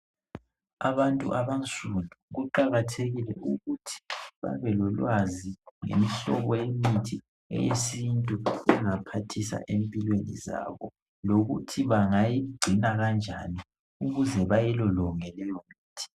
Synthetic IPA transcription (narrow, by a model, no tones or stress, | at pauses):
aβantʼṵʔaβant͡sʼundʱuɣuǃaɣatʰeɣilɛ̰ʔuɣutʰi̥βa̰βɛlɔlwaziŋḛmiɬɔ̰βɔjemitʰi | ɛ̰jesintʼuɛ̰ŋapʰatʰisa̰ʔempʼilwenḭza̰βɔ | loɣutʰiβaŋajiɡ͡ǀʱinaɣand͡ʒʱani | uɣuzɛβajɛlɔlɔŋɛlɛjɔmiːtʰi̥